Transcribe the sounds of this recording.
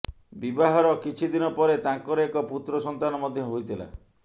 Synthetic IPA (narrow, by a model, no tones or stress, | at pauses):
bibaɦɔɾɔkit͡ʃʰid̪inɔpɔɾet̪ãŋkɔɾɔekɔput̪ɾɔsɔnt̪anɔmɔd̪ʱjɔɦojt̪ʰila̰